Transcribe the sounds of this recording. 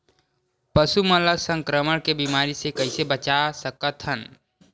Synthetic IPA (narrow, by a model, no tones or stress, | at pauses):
pəsumələsə̃ŋkɾəməɽkebimaːɾisekɐɪsebət͡ʃasəkət̪ʰɦən